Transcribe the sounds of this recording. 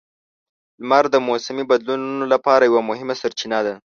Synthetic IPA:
lmaɾd̪əmosamibad̪lununolapɑɾajawamʊhɪmasaɾt͡ʃinad̪a

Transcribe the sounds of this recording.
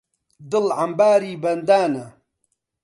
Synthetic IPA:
d̪ɨlʕambaːɾiːbɐnd̪aːnɐ

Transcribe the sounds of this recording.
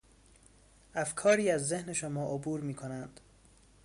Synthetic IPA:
ʔæfkʰɒːɾiːæzːe̞hne̞ʃomɒːʔobuːɾmiːkʰo̞nænd̪̥

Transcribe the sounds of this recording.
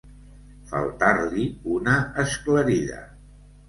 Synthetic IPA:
fə̰lˠt̪aɾliunəːskləɾiʎə̰

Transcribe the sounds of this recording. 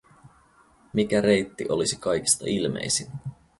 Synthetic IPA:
mik̟æɾe̞jt̪ːiʔo̞lisikɑjk̟i̥st̪ɑ̰ilmḛjsin

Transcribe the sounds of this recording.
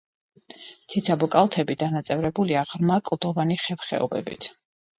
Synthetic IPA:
t̪sʰit̪sʰabɔkʼalˠt̪ʰɛbid̪anat̪sʼɛvɾɛbuliaʁɾmakʼlˠd̪ɔvaniχɛvχɛ̰ɔ̰bɛ̰bḭt̪ʰ

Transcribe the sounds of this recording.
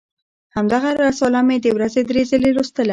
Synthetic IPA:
hamd̪aɣaɾasɑlamed̪əwɾazed̪ɾezəleɾost̪əla

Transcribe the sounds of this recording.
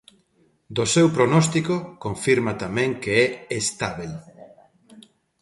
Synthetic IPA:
d̪ʊsewpɾonɔst̪ikokõɱfiɾmat̪amɛ̃ŋkeɛest̪aβel

